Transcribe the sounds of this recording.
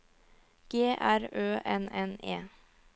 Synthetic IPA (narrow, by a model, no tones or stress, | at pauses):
ɡ̥eːʔæɾøːʔɛnɛnḛː